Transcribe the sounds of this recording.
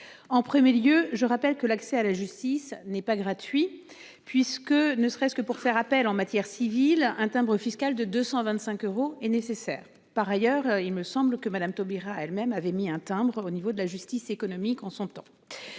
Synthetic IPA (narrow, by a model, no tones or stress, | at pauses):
ɑ̃pχəmjeljøʒəʁapɛlkəlaksɛalaʒyst̪isnɛpaɡʁat̪ɥi | pɥiskənəsəʁɛskəpuʁfɛʁapɛlɑ̃mat̪jɛʁsivilɛ̃t̪ɛ̃bʁəfiskald̪əd̪øsɑ̃vɛ̃t̪sɛ̃køʁoɛnesesɛ̰ːʁ | paʁajœʁilməsɑ̃bləkəmad̪amt̪ɔbiʁaɛlmɛmavɛmiɛ̃t̪ɛ̃bʁonivod̪əlaʒyst̪isekɔnɔmikɑ̃sɔ̃t̪ɑ̃